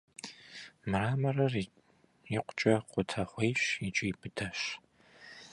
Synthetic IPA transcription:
mɨraːmɐrɐr | jɪqʷt͡ʃʼɐqʷʊtʰɐχʷejɕit͡ʃʼɪjpʰɨtʰɐɕ

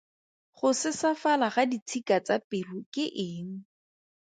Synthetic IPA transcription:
χʊsɪsafalaχadit͡sʰikat͡sapɪrukɪʔɪːŋ̩

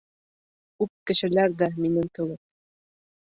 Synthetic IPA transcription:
ʉp̚kɘ̆ʃɘ̆læɾðæminɘŋkɘ̆wɘk̚

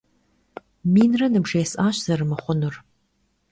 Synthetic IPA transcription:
miːnrɐnɨbʐeːsaːɕz̥ɐrɨmɨχʷʊnur

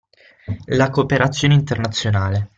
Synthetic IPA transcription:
lakoːpeɾat̪sːjoːneint̪ernat̪sːjonaːle

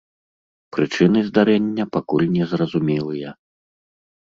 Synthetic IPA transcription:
pɾɨt͡ʂɨn̪ɨzd̪aɾɛnʲːɐpakulʲnʲɛzrɐzumʲɛlˠɨjɐ

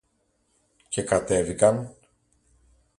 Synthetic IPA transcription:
ce̞kɐt̪e̞vikɐn

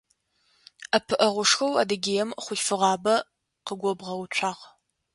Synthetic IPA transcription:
ɐpʰɨʔɐʁʷʊʂxɐwa̰ːdɐɡʲeːjɛmχʷʊʃfɨʁɑːbɐ | qəɡʷɔbʁɐwt͡ʃʷʰaːʁ

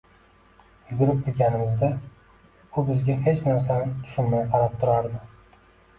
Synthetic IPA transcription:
ʊbʊɾɪp̚qʰɨlɡʲanɪmɪzd̪a | ʊbɪzɡʲahe̞t͡ʃnaɾs̬anɪt̪ʰʊ̥ʃʊnmajqʰɑɾap̚t̪ʰʊɾaɾd̪ɪ

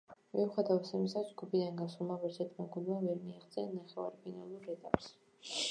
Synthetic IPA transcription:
miuχɛd̪avɛt̪sɛmisad͡ʒɡubid̪anɡasulˠmaʁlɛsʰɛt̪ʰmaɡunmavɛɾmiaʁd̪sʼɛnnaχɛva̰ɾpʰinalˠuɾɛt̪ʼa̰ps

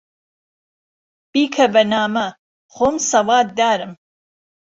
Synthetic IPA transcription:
b̥iːkʰɐbɐnaːmɐ | χoːmsɐwaːd̪̚d̪aːɾɨm

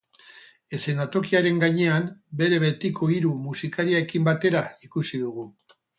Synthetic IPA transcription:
e̞se̞nat̪o̞kiaɾe̞ŋɡaɲe̞ambe̞ɾe̞βe̞t̪ikʰo̞iɾumusikaɾiaekimbat̪e̞ɾaikusiðuɣ̞u

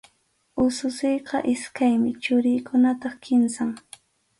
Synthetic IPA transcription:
ʊsʊsɪjqɑ̰ʔɪskajmɪt͡ʃʊɾɪjkʊnat̪ɑχkʰɪmsaŋ

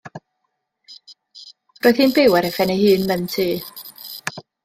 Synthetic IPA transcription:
roːɨð̥hiːnbewɛɾɛfɛnejhɨːnməntʰɨː

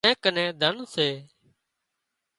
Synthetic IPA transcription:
ẽːkənẽːd̪ʱənseː

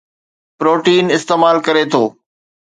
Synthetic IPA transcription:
pɾoːʈiːnɪst̪eːmaːlkɐɾet̪ʰoː

